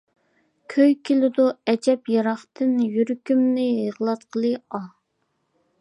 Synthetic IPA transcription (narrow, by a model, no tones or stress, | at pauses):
kʲʰøjkʲʰilɪd̪uɛd͡ʒɛpjɑɾɑχt̪ʰɨnjyɾkʲymnɪjəʁlˠɑt̪̚qʰəlˠɨɑ